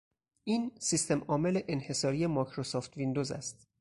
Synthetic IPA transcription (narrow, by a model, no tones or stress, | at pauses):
ʔiːnsist̪ʰemɒːme̞leʔenhe̞sɒːɾije̞mɒːkʰɾosoːft̪ʰvind̪ozæ̰st̪̚